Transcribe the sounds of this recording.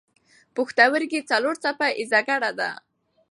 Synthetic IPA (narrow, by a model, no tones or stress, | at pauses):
puxt̪awəɾɡet͡saloɾt͡sapaʔɪzaɡaɽad̪a̰